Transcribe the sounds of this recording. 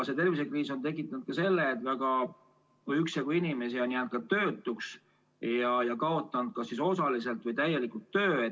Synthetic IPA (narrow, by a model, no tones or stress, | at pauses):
set̪e̞rvise̞kriːso̞nt̪e̞kˑːit̪ːˑɑnud̪̥̚kɑse̞lːeːt̪ːvæɡɑ | yksɑɡuinʲime̞sionʲːiænt̪̚kɑt̪ø̞ːt̪ːˑuks | jɑjɑkɑo̞t̪ˑːɑnud̪̚kɑsːiso̞sɑlise̞lt̪ˑvɤjt̪æje̞likult̪ːøːe